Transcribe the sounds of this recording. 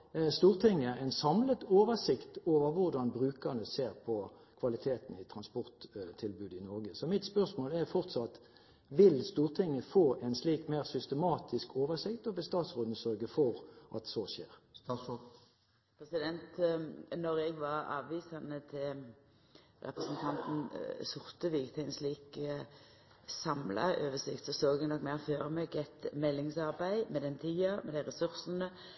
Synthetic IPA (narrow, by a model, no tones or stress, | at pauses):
st̪uːʁt̪ʰɪŋːəɛɪnsɑmlət̪oːʋəsɪkt̪oːʋəʁʋʊʁd̪ɑnbʁʉːkəʁnəseːʁpʰɔ | kʰʋɑlɪt̪ʰeːt̪n̩ɪt̪ʰɾɑnspɔʁt̪t̪ʰːɪlbʉːd̪ɪnɔɾɡəsɔmɪt̪spœʁsmoːlɛʁfɔʁt̪sɑt̪ | ʋɪlst̪uːʁt̪ʰɪŋːəfoːʔɛɪnsliːkmeːʁsʏst̪əmɑːt̪ʰɪskʰoːʋəsɪkt̪ɔʋɛst̪ɑːt̪sʁoːd̪nəsœɾɡəfɔɾʔɑ̰t̪sɔʃḛːɾ | pʰɾɛsɪd̪ɛnt̪nɔɾɛɡʋɑɾɑ̰ːʋʋiːsɑnət̪ʰɪ | ɾɛ̰pʁəsənt̪ʰɑnt̪n̩sʊɾt̪əʋɪːɡt̪ʰæɪnsliːkə | sɑmlɑ̰ʔoːʋəsɪkt̪sɔsoːɡɛɡnɔkːmæɪʁføːɾəmeːkɛt̪mɛlːɪŋsɑʁbæɪmɛd̪ɛnt̪ʰiːɑmɛd̪æɪʁɛsʉɾsən̩ə